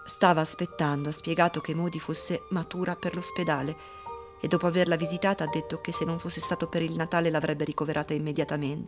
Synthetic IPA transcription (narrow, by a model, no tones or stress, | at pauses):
st̪aːvaːspet̪ːand̪oaspjɛɡaːt̪okemːoːd̪ifosːemat̪uːɾaperlosped̪aːle | ed̪ːɔːpoaverlavizit̪aːt̪aːd̪ːet̪ːok̟esːenːoɱfosːest̪aːt̪opeɾilnat̪aːlelavɾʔɛbːeɾikoveɾʔaːt̪aimːed̪jat̪ament̪e